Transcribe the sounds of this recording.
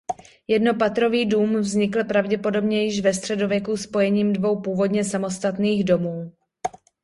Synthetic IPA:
jɛdno̞pat̪ɾo̞viːduːmvzɲɪkl̩pɾavɟɛpo̞do̞bɲɛjɪʃvɛs̬t̪r̝̥ɛdovjɛkuspo̞jɛɲiːmdvo̞wpuːvo̞dɲɛsamo̞st̪at̪niːɣdo̞muː

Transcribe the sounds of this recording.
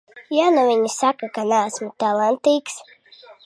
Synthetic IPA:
januvʲiɲisakakanaːsmut̪alˠant̪iːks

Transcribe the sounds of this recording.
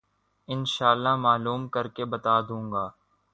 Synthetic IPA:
ɪnʃaːlːamaːluːmkɐɾkebɐt̪aːd̪ũːŋɡaː

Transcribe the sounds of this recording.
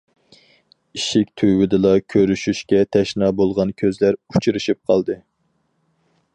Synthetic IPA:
iʃikʲt̪ʰywɪd̪ɨlˠɑkʲʰøɾyʃyʃkʲɛt̪ʰɛʃnɑːbolˠʁɑnkʲʰøzlæɾut͡ʃʰɨɾɨʃip̚qʰɑlˠd̪ɨ

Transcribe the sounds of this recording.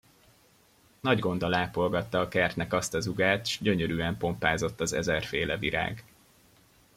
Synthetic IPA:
nɒɟɡo̞nd̪ɒlaːpo̞lɡɒt̪ːɒːkɛrt̪nɛkɒst̪ɒzuɡaːt̪ʃɟøɲøɾyːɛmpo̞mpaːzo̞t̪ːɒzɛ̰zɛrfeːlɛviɾa̰ːɡ

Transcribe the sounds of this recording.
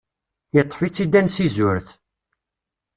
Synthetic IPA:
jət̪ˤːfit͡sːid̪ænsizʊɾθ

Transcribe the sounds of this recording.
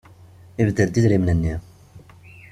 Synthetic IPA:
ivd̪əld̪izɾimnənːi

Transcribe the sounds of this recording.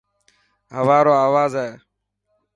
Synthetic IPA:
ɦəʋaːɾoːaːʋaːzaeː

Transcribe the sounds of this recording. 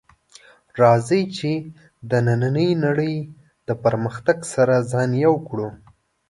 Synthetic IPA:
ɾɑzəjt͡ʃe | d̪ənananəjnaɽəj | d̪əpəɾməxt̪aɡsaɾazɑnjawkɽu

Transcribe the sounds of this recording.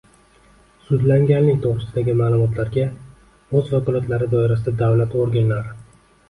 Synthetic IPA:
sʊd̪laŋɡʲanːɪŋt̪ʰoʁɾɪsɪd̪aɡʲɪmaːlˠʊmɒt̪ʰlaɾɡʲa | ozfakɒlˠat̪laɾɪd̪ɒɪɾasɪd̪ad̪avlat̪oɾɡʲanlaɾɪ

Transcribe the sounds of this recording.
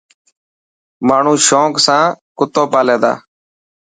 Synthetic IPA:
maːɳ̤ũːʃoːksãːkʊt̪oːpaːlẽːd̪a̰ː

